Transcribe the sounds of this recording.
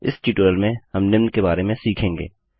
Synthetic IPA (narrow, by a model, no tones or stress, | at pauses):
ɪ̰sʈiʈoːjəlmẽhɐmnɪmnkebaːɾemẽsiːkʰẽːŋɡḛː